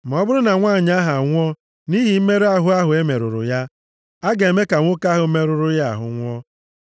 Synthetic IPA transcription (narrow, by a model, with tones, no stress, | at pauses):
ma˨ɔ˦bʊ˦ɾʊ˦na˨ŋʷaː˦˨ɲ˦a˦ɦa˨ŋʷɔ˦ | ni˦ɦi˨m̩˦me˦ɾa˦ɦʊ˨a˦ɦʊ˨e˦me˨ɾʊ̰˨ɾʊ̰˨ja˦ | a˦ɡe˨e˨me˦ka˨ŋʷʊ˦ka˦ɦʊ˨˦me˦ɾʊ˨ɾʊ˦ja˦a̰˨ɦʊ̰˨ŋʷɔ˦